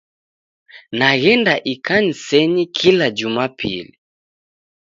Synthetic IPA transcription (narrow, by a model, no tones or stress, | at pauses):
naɣɛndaʔikan̩sɛɲikʰilad͡ʒumapʰḭli